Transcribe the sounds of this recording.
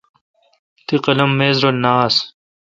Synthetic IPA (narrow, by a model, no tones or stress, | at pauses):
t̪iqɐlɐmːeːzɾonaːs